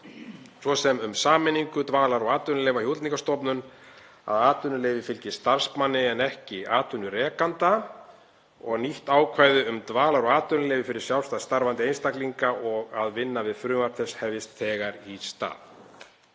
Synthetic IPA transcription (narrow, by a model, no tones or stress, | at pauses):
svɔsɛmʏmsaːmɪniŋkʏt̪vaːlaɾɔɣaːt̪ʏnʏlejvahjowt̪niŋkast̪ɔpnʏn | a̰ðaːt̪ʏnʏleːvɪfɪlcɪst̪aɾ̥spmanːɪɛnɛhcɪaːt̪ʏnːʏɾɛːkant̪a | ɔɣniht̪aːwkʰvaːjðʏʏmt̪vaːlaɾɔɣaːt̪ʏnʏleːjvɪfɪɾɪɾ̥sjawlst̪aðst̪aɾvant̪ɪejnst̪akliŋkaʔɔɣaðvɪnːavɪðfɾʏːmaɾ̥t̪θɛshɛvjɪst̪θɛːɣaɾist̪a̰ːð